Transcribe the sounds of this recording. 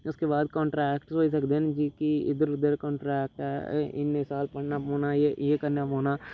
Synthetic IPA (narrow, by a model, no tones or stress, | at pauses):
ʊskebaːd̪̚kɔ̃ːɳʈɾɛːkʈsoːis̬əkd̪eɦnd͡ʒikiɪ̰d̪əɾʊd̪əɾkɔ̃ːɳʈɾɛːk̚ʈɛːɪ̰nːesaːlpɐɽnapoːnaejekəɾnaɦoːnaː